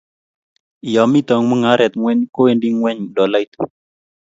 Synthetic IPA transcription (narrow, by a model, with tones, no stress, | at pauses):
jɔ˨mi˦t̪ɔ˨ŋmu˦ŋa˦ɾɛ˨t̪ŋwɛ˦ɲko˦e˦ndi˦ŋwɛ˦ɲdɔ˨la˦jt̪u̥˨